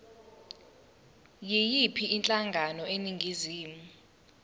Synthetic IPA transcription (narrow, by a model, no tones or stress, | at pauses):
jijipʰiʔːnt͡ɬʼaŋɡʱanɔeniŋɡʱiziːmu